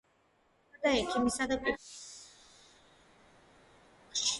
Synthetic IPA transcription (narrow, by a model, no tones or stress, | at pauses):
d̪aɛkʰʼimisad̪akʼu | ʃ